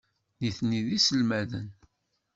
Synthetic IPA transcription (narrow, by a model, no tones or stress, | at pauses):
niθniðisəlmæðə̰n